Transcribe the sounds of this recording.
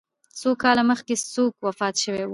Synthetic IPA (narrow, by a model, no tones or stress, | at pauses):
sokɑlaməxkesokwafɑt̪ʃəwew